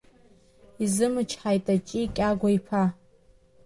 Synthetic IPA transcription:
izɨmɨt͡ʃʰħajtʼat͡ʃʼikʲʼaɡʷaipʰa

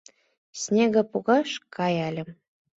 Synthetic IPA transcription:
sʲnʲeɣə̆puɣɑʃkʰɑjɑlʲə̆m

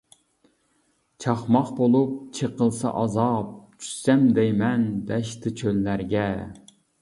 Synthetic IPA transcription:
t͡ʃʰɑχmɑχbolˠup̚t͡ʃʰeqəlˠsɑ̰ʔɑzɑp̚t͡ʃʰy̥sɛmd̪ɛjmɛnd̪ɛʃt̪ʰɨt͡ʃʰølːæɾɡʲɛ

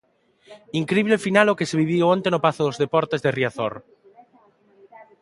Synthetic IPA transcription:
iŋkɾiβlefinalokeseβiβ̞ioõnt̪enopaθoðozðepɔɾt̪ezðeriaθo̰ɾ

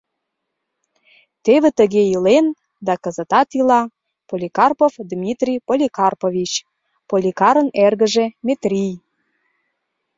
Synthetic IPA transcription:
t̪eβĕt̪əɣeilen | d̪ɑkə̆zə̆t̪ɑt̪ilɑ | polʲikɑrpovd̪mʲit̪rʲijpolʲikɑrpovʲit͡ɕ | polʲikɑɾə̆nerɣə̆ʒemet̪rʲij

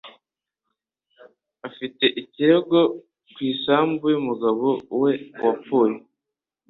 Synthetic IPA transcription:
afite̞ʔiciɾeɡo̞ | kwiːsaːmbujumuɡaβowe̞wapuːɾi

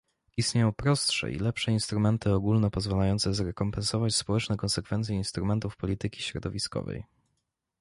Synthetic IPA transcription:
ist̪ɲejɔ̃w̃pɾɔst̪ʂɛ̰ʔḭlɛpʂɛinst̪ɾumɛnt̪ɘɔɡulnɛpɔzvalajɔnt̪sɛzɾɛkɔmpɛnsɔvat͡ɕspɔwɛt͡ʂnɛkɔnsɛkfɛnt̪sʲjɛinst̪ɾumɛnt̪ufpɔlʲit̪ɘkʲi̥ɕɾɔd̪ɔvʲiskɔ̰vɛ̰j

